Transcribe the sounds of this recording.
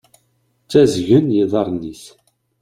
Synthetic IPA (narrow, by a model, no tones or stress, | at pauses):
t͡sːæzʝənjiðˤɑɾˤnːiθ